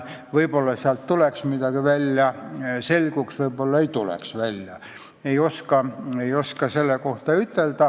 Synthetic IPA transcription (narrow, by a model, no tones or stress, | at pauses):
ʋɤibolːɑsiɑlt̪tuleksmid̪ɑɡ̥iʋælʲjɑselʲɡuksʋɤibolːɑeit̪ulḛksʋælʲjɑ | eioskɑejoskɑselːeko̞ht̪ɑyt̪ːeld̪ɑ